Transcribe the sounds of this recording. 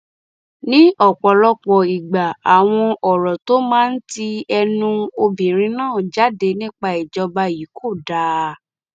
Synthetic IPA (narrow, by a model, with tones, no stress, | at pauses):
nĩ˦ɔ˦˨k͡pɔ˨lɔ˦k͡pɔ̃˨i˨ɡ͡ba˨a˨w̃ɔ̃˧ɔ˨ɾɔ˨to˦mãː˦n̩˦ti˧ɛ˧nũ˧o˧bĩ˨ɾ̃ĩ˧nãː˦˨d͡ʒa˦de˧nĩ˦k͡pa˧i˨d͡ʒɔ˧ba˧ji˨˦kʰo˦˨da˨˦